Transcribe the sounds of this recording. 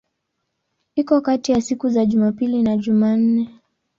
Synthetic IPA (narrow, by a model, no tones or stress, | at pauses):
ikɔkatijasikuzaʄumapilinaʄuman̩nɛ